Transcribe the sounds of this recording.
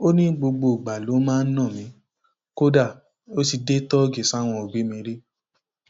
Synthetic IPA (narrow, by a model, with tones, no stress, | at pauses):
o˦nĩ˦ɡ͡bo˧ɡ͡bo˧˨ɡ͡ba˨lo˨˦mãː˦˧n̩˦nã˦˨mĩ˨˦ | ko˦da˦˨ | o˦si˧de˦tɔ˦ɡi˨sa˦w̃ɔ̃˧o˨ɡ͡bi˨˦mĩ˧ɾi˦